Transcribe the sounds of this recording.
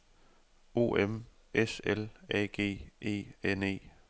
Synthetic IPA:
o̝̰ːem | eselɛ̰ːɡ̥e̝̰ːe̝̰ːene̝̰ː

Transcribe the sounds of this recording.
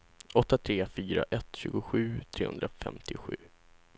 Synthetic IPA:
ʔɔt̪ːat̪ʰɾeːfyːɾa̰ʔɛt̪ːɕʉ̟ːɡʊɧʉ̟ːt̪ʰɾeːhɵ̰nd̪ɾafɛ̰mt̪ʰɪɧʉ̟ː

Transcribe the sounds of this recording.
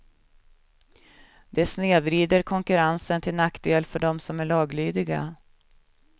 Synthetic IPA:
d̪̥ɛsneːvɾiːd̪əɾkʰɔŋkɵɾansənt̪ʰɪlnakd̪eːlfœɖɔmsɔmæɭɑːɡlyːd̪ɪɡa̰

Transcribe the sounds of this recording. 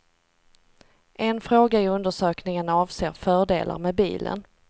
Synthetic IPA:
ʔɛnfɾoːɡaɪɵnd̪əʂøːknɪŋənɑːvseːɾfœːɖḛːlʔa̰ɾmɛbḭːlə̰n

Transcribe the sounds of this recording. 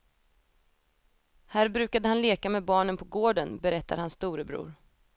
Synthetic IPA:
hæːɾbɾʉ̟ːkad̪əhanleːkamɛːbɑːɳənpʰɔɡoːɖənbɛɾɛt̪ʰːad̪hansːt̪uːɾəbɾṵːɾ

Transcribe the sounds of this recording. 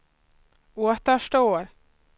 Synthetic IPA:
oːt̪əʂʈoːɾ

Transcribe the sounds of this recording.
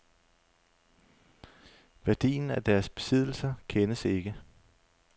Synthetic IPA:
ʋæɐd̥ḭːn̩æd̥æɐsb̥e̝̥sið̞̰ˠl̩sɐkʰenəse̝ɡ̥ə

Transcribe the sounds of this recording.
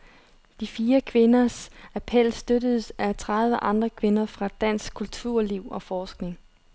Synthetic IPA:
d̥ifiːɐkʰʋe̝nɐsæpʰel̰sd̥øɾəð̞ˠsæt͡sʰʁɑðˠʋəʔɑ̈nd̥ʁɐkʰʋe̝nɐfʁɑ̈d̥æn̰sɡ̥̚kʰːult͡sʰuɐ̰liʊ̰ɒ̽fɒːsɡ̥ne̝ŋ

